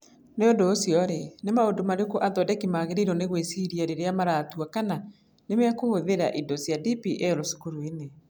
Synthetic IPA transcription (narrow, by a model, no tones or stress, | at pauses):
neondoːsjɔɾenemaodomaɾeokoʔaðɔdɛkimaɣeɾeɾɔneɣwesiɾiaɾeɾeamaɾaːtuakana | nemeakohoðeɾa̰ʔidɔsjadipiʔɛɾosu̥koɾoine